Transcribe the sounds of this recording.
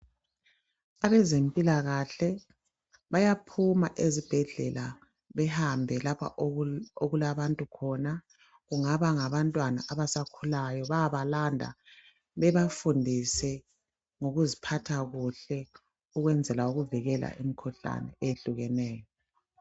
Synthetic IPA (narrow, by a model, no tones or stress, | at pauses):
aβɛzempʼilaɣaɬɛ | βajapʰumaʔezib̥ʱɛɮɛ̰la | βɛhambʱɛlapʰa̰ʔoɣulaβantʼukʰɔna | ɣuŋaβaŋaβantʼwana̰ʔaβasakʰulajɔβajaβalandʱa̰ | βɛβafundʱisɛ | ŋoɣuzipʰatʰaɣuɬɛ | uɣwɛnd͡zʱɛlauɣuviɣɛla̰ʔimikʰuɬa̰nɛ̰eɬuɣɛnɛːjɔ